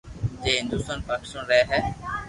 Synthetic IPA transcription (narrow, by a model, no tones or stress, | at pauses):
d͡ʒeːɦɪ̃nd̪ʊst̪aːnpaːkɪ̥st̪aːnɾɛɦeɦɛː